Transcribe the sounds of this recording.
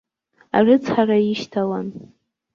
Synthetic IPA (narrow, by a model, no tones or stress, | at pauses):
a̰rɨt͡sʰħaraiʃtʰawan